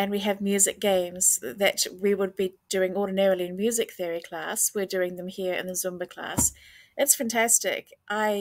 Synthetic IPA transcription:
ɨ̃nwiɨvmjʉzɨk̚ɡ̥ẽɪ̃mz̥ðɨ̰t̚wiwəd̚bid̥ʊɹɪ̃ŋɔɹdⁿn̩ɛɹl̩ˠiɨ̃nmjʉzɨk̚θɪəɹikʰl̥æ̰swɪɹdʊɹɪ̃ŋðə̃mhiɹɨ̰̃nðəzʊ̃mbəkʰl̥æ̰sɨtsfæ̃ntʰæstɪ̰kʔaɪ

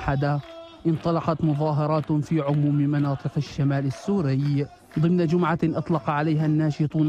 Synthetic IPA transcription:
ħad̪aʔɪnt̪ˤɑlɑqɑt̪mʊðˤɑːɦɑɾˤɑːt̪fiːʕʊmuːmmɑnɑːt̪ˤɨqaʃːamaːlɪsːuːɾɪj | d̪ˤɨmnad͡ʒʊmʕaʔɑt̪ˤlɑqʕalajɦanːaːʃɨt̪ˤuːn

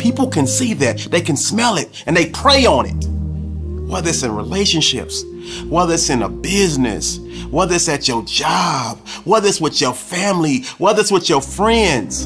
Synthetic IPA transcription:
pʰipl̩ˠkʰɨ̃nsiðɨt̪̚ðeɪkɨ̃nsmɛlˠɪɾɨ̃nðeɪpʰɹ̥eɪə̃nɪ̰t̚ | wʌðɨsɨ̃nɹḭleɪʃɨ̃nʃɪ̰ps | wʌðɨsɨ̃nə̰bɪznɨ̰s | wʌðɨsɨt͡ʃə˞d͡ʒɑb̥̚wʌðɨswɨt͡ʃə˞fæ̃mliwʌðɨswɨt͡ʃə˞fɹɛ̃ndz̥

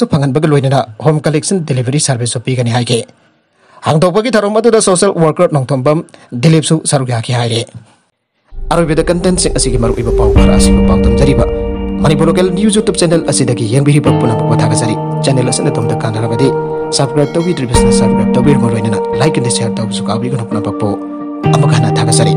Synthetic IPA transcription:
supʰɐŋɐnbɐɡɐlojnɐnɐhomkɐleksɐndilibʱɐɾisɐɾbisupiɡɐniɦajkʰe | haŋdɐwbɐɡitʰaɾomɐdudɐsoselwɐɾkɐɾnoŋtʰombɐmdilip̚susɐɾukjakʰihajɾe | ɐɾojbɐdɐkɐntentsiŋɐsiɡimɐɾṵʔojbɐpawbɐ̰ɾɐ̰sibɐpawtʰɐmzɐɾibɐmɐnipuɾlok̬elnjuzutup̚t͡ʃenelɐsidɐɡijeŋbiɾibɐpunɐpʰak̚pɐtʰaɡɐzaɾi | t͡ʃenelɐsinɐtomdɐkandɐɾɐbɐdi | sɐpskɾajp̚tɐwbitɾibisnɐsɐpskɾajp̚tɐwbiɾuŋɐlojnɐnɐlajkːɐndisejaɾtɐwbisukawbiɡɐnɐpunːɐpʰak̚po | ɐmɐɡanɐtʰaɡɐzaɾi

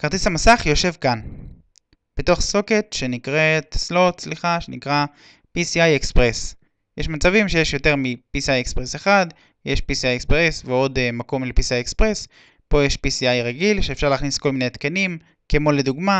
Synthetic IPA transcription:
kaʁt̪ishamasaχjo̞ʃe̞vkan | b̥eto̞χso̞ketʃe̞nikʁetslo̞tsliχaʃe̞nḭkʁa | pisiajekspʁes | jeʃmat͡savimʃejeʃjo̞te̞ʁmipisiajekspʁeseχad | jeʃpisiajekspʁesveo̞dmako̞mlepisiajekspʁes | po̞jeʃpisiajʁaɡilʃe̞ːfʃaʁleaːχnisko̞lminet̪kenim | kemo̞leduɡma

